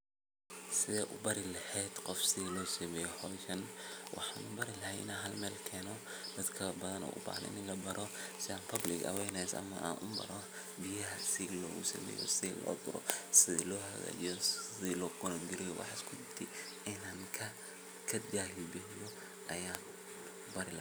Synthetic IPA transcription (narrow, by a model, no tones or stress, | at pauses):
sɪðɛːʔʊbɐɾɪlɐhɛːd̪̥qɔfsɪðlɔːsɐmɛːjɔhɔːʃɐnwʔɑ̰ħɑːnʊbɐɾɪlɐɦɛʔɪ̰naːnɦɐlmɛːlkʰɛːnɔ | d̪̥ɐd̪kʰɐbɐðɐnɔ̰ːʔʊ̰bɑ̰ːʕnɛ̰nɪnlɐbɐɾʔɔsɪaːnpʰɐblɪkɐ̰wɛjnɛjsʔɐ̰mɐ̰ʔa̰ːnʔʊmbɐ̰ɾɔ | bɪjɐɦɐsɪlɔ̰ːɣʊsɐ̰mɛ̰ːjɔ̰sɪ̰lɔ̰ːd̪ʊɾɔ̰sɪðḭːlɔːɦɐɣa̰jɔsɪðilɔːɡʊnɔŋɡɪɾɪjɔwʔɑ̰ħɑskʰʊd̪ɪbt̪ʰɪ | ɪnaːŋkʰɐ | kʰɐd̪aːɦɪlbɛɦjɔ | ʔɐjaː | bɐɾɪ